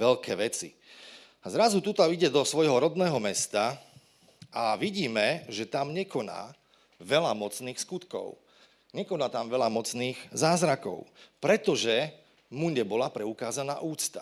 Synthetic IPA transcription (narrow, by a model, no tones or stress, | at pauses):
ʋɛʎkɛːʋɛt͡sḭ | zɾazut̪ut̪ɔiɟɛd̪ɔsʋɔjɦɔɾɔd̪nɛːɦɔmɛst̪a | ʔaʋiɟiːmɛʒɛt̪amɲɛkɔna̰ː | ʋɛlamɔt͡sniːxskut̪kɔ̰ʊ | ɲɛkɔnaːt̪amʋɛlamɔt͡sniːɣzaːzɾakɔ̰ʊpɾɛt̪ɔʒɛ | muɲɛbɔlapɾɛukaːzana̰ːʔuːt͡st̪a